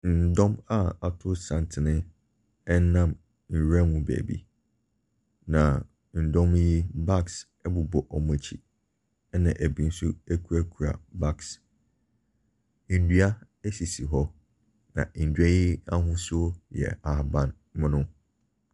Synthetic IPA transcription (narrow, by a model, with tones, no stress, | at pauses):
n̩˨dɔ̃˦ma˦a˨tʰʊ˦sã˨ntʰɪ˨nɪ̃˦ | ɛ˦n̩˦nã˦˨m | n̩˨ɾã˦mũ˨bḛː˨bḭ˨ | nã˨ | n̩˨dɔ̃˦m˦ji˦ba˦˨ks | ɛ˦bʊ˨bɔ˨ʔɔ˨mɛ̃˨t͡ɕʰḭ˨ | ɛ˦nã̰˨ʔæ˨bi˨n̩˦su˦ɛ˦kʰu˨ɾa˦kʰu˨ɾa̰˨ba˦˨ks | n̩˨du˦a˦ | ɛ˦si˨si˨ɦɔ˦ | nã̰˨n̩˨dɥɛ˦ji˦a˦ɦʊ̃˦sʊ˦jɛ̰˨a˨hbã˦n | mɪ̃˦nʊ̃˦